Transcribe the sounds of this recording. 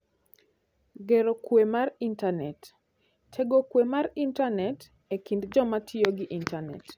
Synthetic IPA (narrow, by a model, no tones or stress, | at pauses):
ɡeɾokwemarintanɛtːʰ | eɡokwemarintanɛt | ekindd͡ʒɔmatʰioɡɪʔintanɛ̰t